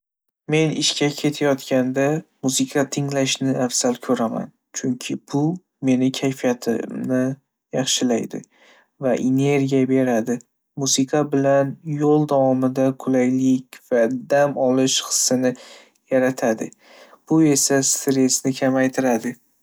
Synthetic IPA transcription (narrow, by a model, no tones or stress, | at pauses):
me̞nɪʃkʲʰakʲʰe̞t̪ʰajɒt̪kʲand̪amusɨqʰɑt̪ʰɪŋlaʃnɪafsalkʲʰɵɾama̰n | t͡ʃʰʊŋkʲʰɪb̥ʊ | me̞nɪkʲʰajfijat̪ʰɪ̰mnɪ | jɑχʃɪlajd̪ɪ̰ | vaʔene̞ɾɡʲijabe̞ɾad̪ɪ | musɪqʰɑbɪlanjolˠd̪avɒmɪd̪akʰʊlajlɪkʲv̥ad̪amɒlɪʃχɨ̥sːɪnɪ | jaɾat̪ʰad̪ɪ̰ | b̥ʊe̞sast̪ɾe̞snɪkʲʰamajt̪ʰɪɾad̪ɪ